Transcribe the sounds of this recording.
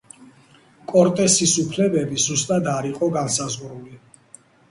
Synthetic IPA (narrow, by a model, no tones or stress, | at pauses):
kʼɔɾt̪ʼɛsisupʰlɛbɛbizust̪ʼad̪aɾiqʼɔɡansazʁɾuli